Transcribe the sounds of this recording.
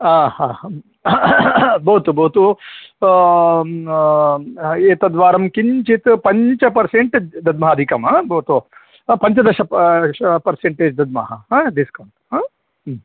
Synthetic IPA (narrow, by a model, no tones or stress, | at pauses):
aːhãː | bɐɦut̪ubɐɦut̪u | eːt̪ɐd̪ʋaːɾɐmkiɲt͡ʃit̪pɐɲt͡ʃɐpɐɾseɳʈed͡ʒd̪ɐd̪mɐɦɐd̪ʱikɐmaːbɐt̪o | pɐɲt͡ʃɐd̪ɐʃɐɐpɐɾseɳʈeːd͡ʒd̪ɐd̪̚mɐ̰ɦɐ̰ɦãːd̪iskɐwɳʈɦaː